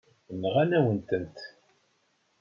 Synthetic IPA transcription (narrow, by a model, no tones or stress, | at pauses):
nəʁænæwənt̪ənt̪